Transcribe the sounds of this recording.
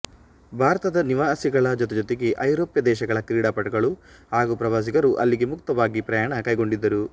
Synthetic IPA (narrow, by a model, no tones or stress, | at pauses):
bʱaːɾɐt̪ɐd̪ɐniʋaːsiɡɐɭɐd͡ʒɔt̪ɛd͡ʒot̪eɡe̞ʔɐjɾoːpjɐd̪ɛːʃɐɡɐɭɐkɾiːɽaːpɐʈɐɡɐɭuhaːɡupɾɐʋaːs̬ikɐɾuʔɐ̰lːiɡe̞mukt̪ɐʋaːɡipɾɐjaːɳɐkɐjɡo̞ɳɖid̪ːɐɾu